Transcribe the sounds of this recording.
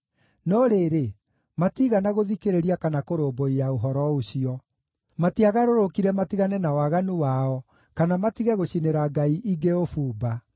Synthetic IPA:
nɔɾeɾe | matiɣanaɣoðikeɾeɾiakanakoɾoːboijaoɦɔɾɔoɕiɔ | matiaɣaɾoɾokiɾɛmatiɣanɛnawaɣanuwaɔ | kanamatiɣɛɣoɕineɾaɡaiʔiɡeofuːba

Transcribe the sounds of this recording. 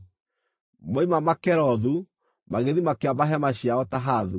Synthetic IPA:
maimamakɛɾɔðu | maɣeðimakeabaɦɛmaɕiaɔtaɦaðu

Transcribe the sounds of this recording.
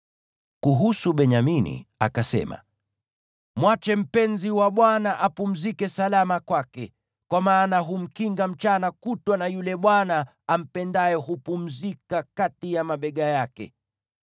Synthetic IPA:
kuɦusuɓɛɲaminḭa̰kasɛ̰ma̰ | mwat͡ʃɛm̩pɛnziwaɓwanaʔapum̩zikɛsalamakwakɛ | kwamaːnaɦum̩kiŋɡam̩t͡ʃanakutwanajulɛɓwana | am̩pɛndajɛɦupum̩zikakatijamaɓɛɠajakɛ̰

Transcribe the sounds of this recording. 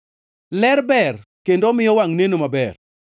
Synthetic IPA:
lɛrbɛrkendomɪjɔwaŋnenomabɛr

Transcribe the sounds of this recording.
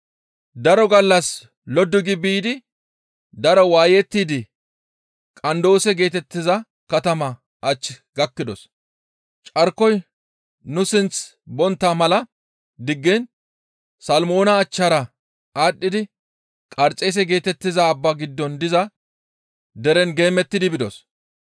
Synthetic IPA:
d̪ɐɾɔɡɐlːɐs | lɔd̪ɪɡɪbiːd̪ɪ | d̪ɐɾɔwaːjɛt̪ːiːd̪ɪ | kʼɐnd̪o̞ːsɛɡe̞ːt̪ɛt̪ːɪzɐ | kɐt̪ɐmɐ | ʔɐt͡ʃːɪ | ɡɐkːɪd̪ɔs | t͡ʃʼɐɾkɔj | nʊsɪnt͡sbɔnt̪ːamɐlɐ | d̪ɪɡːɛn | sɐlmo̞ːnɐːt͡ʃːɐɾɐ | aːɗːɪd̪ɪ | kʼɐɾt͡sʼeːs̬ɛɡe̞ːt̪ɛt̪ːɪzɐːbːaɡɪd̪ːɔnd̪ɪzɐ | d̪ɛɾɛnɡe̞ːmːɛt̪ːɪd̪ɪbɪd̪ɔs

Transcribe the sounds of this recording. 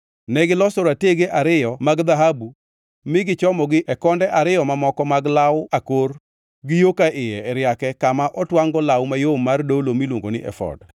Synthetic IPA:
nɛɡɪlɔsoɾateɡeʔaɾɪjɔmaɡd̪aɦabu | mɪɡɪt͡ʃɔmɔɡɪʔɛkɔndɛʔaɾɪjɔmamɔkɔmaɡlawakor | ɡɪjokaʔɪjɛɛɾjakɛkamaʔɔtwaŋɡɔlawmajomːardolomilwoŋɡo̰nɪʔɛ̰fɔ̰d

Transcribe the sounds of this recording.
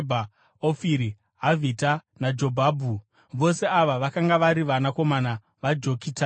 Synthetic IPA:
bʱa | ofiɾi | ɦavʱitanad͡ʒo̞bʱaːbʱu | ʋo̞se̞aʋaʋakaŋɡaʋaɾiʋanako̞mana | ʋad͡ʒo̞kiːta

